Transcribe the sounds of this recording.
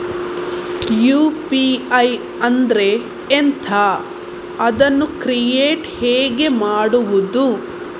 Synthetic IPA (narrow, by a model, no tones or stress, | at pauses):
juːpiɐj | ɐnd̪ɐɾe̞ː | nt̪ʰɐ | ɐd̪ɐnːukɾijeːʈheːɡe̞maːɽuʋud̪u